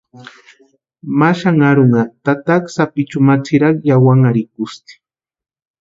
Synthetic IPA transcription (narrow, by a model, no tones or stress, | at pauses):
maʃaŋaɾʊŋat̪at̪aksapɪt͡ʃʊmat͡sɪɾɑχjawaŋaɾɪkʊst̪i̥